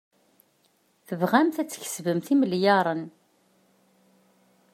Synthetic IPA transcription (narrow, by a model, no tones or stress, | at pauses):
θəvʁæmθæt͡sːç̥svəmθiməljɑɾˤən